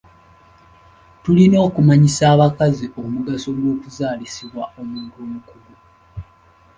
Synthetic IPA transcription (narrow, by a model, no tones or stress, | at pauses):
tulino̞ːkumaɲisaːβakaziʔo̞muɡaso̞ɡwo̞ːkuzaːlisiβwao̞muːɡoːmukuɡu